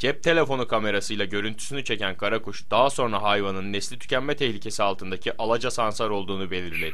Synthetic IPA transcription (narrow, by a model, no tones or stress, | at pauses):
d͡ʒɛp̚t̪ʰe̞lʲe̞fo̞nukʰame̞ɾasɯjlˠaɟø̞ɾynt̪ʰy̥synyt͡ʃʰe̞cænkʰaɾakuʃd̪̥aɦaso̞nɾaɦajvanɯnːɛslʲit̪ʰy̥cæmmɛt̪ʰɛçlʲicʰe̞sialˠt̪ʰɯnd̪acʰiʔalˠad͡ʒasansaɾo̞lˠd̪uːnube̞lʲiɾlʲed̪i̥